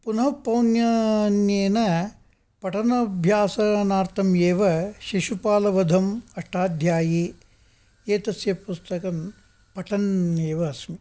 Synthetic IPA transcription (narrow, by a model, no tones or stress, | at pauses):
punɐɦɐpɐwnjɐnjeːnɐ | pɐʈɐnɐbʱjaːsɐnaːɾt̪ʰɐmjeːʋɐʃiʃupaːlɐʋɐd̪ʱɐmɐʂʈʰaːd̪ʱjaːji | eːt̪ɐsjɐpust̪ɐkɐn | pɐʈʰɐneːʋɐːsmi